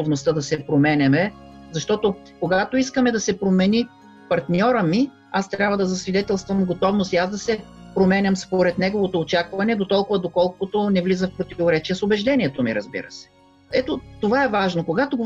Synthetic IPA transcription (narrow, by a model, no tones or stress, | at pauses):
ovnost̪əd̪ɐsɛpɾomɛnʲɛmɛzɐʃt̪ɔt̪o | koɡat̪oiskəmɛd̪ɐsɛpɾomɛnʲi | pɐɾt̪nʲɔɾəmi | ast̪ɾʲabvəd̪ɐzɐsvid̪ɛt̪ɛlˠst̪vəmɡot̪ɔvnost̪iasd̪ɐsɛpɾomɛnʲɐmspoɾɛt̪nɛɡovot̪oːt͡ʃakvɐnɛd̪ot̪ɔlˠkʊvɐd̪okɔlˠkot̪onɛvlizəfpɾot̪ivoɾɛt͡ʃiəsobɛʒd̪ɛniɛt̪omḭɾɐzbḭɾə̰sɛ̥ | ɛt̪ot̪ovaɛvaʒnokoɡat̪oɡ